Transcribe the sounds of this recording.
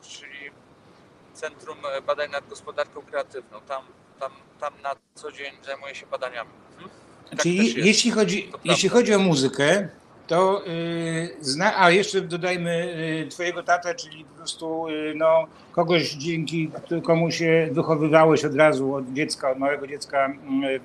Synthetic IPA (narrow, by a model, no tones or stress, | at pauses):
t͡ʂɘlʲi | t̪sɛnt̪ɾumbad̪aɲnad̪̚ɡɔspɔd̪aɾkɔ̃w̃kɾɛat̪ɘvnɔ̃w̃t̪am | t̪am | t̪amnat̪sɔd͡ʑeɲzajmujɛɕɛbad̪aɲamʲi | t̪ɘijeɕlʲixɔd͡ʑijeɕlʲixɔd͡ʑiɔmuzɘkɛ | t̪ɔ | znaʔajɛʂt͡ʂɛd̪ɔd̪ajmɘt̪fɔjɛɡɔt̪at̪at͡ʂɘlʲipɔpɾɔst̪unɔ | kɔɡɔɕd͡ʑɛŋkʲikt̪kɔmuɕɛvɘxɔvɘvawɛɕɔd̪ɾazuɔd̪d͡ʑɛt̪skaɔd̪mawɛɡɔd͡ʑɛt̪ska